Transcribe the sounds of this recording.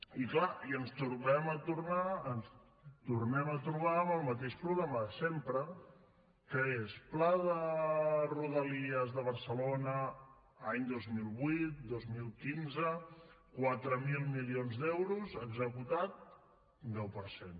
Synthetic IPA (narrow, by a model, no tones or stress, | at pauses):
iklaiənst̪uɾnɛmət̪uɾnaəns | t̪urnɛmət̪ɾuβ̞aəməlˠmət̪eʃpɾuɣɾaməsempɾə | kəesplaðə | ruðəliəzðəβ̞əɾsəlonə | aɲd̪ozmilˠβwit̪̚d̪ozmilˠkinzə | kwat̪ɾəmilˠmilionzd̪ɛwɾuzəɡzəkut̪at̪̚ | d̪ɛwpəɾsen